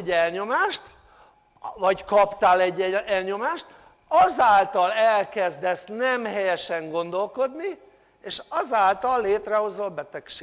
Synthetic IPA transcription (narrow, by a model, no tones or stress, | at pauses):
ɛlɲo̞maːʃt̪ | vɒckɒpt̪aːlɛɟːɛɛlɲo̞maːʃt̪ | ɒzaːlt̪ɒlɛlkɛzd̪ɛsnɛmɦɛjɛʃɛŋɡo̞nd̪o̞lko̞d̪ni | eːʃɒzaːlt̪ɒlːeːt̪rɛho̞zolbɛt̪ɛkʃeː